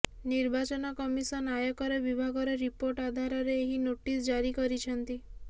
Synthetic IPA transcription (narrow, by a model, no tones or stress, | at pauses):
niɾbat͡ʃɔnɔkɔmisɔnajɔkɔɾɔbibʱaɡɔɾɔɾipoɾʈad̪ʱaɾɔɾeːɦinoʈisd͡ʒaɾikɔɾit͡ʃʰɔnt̪i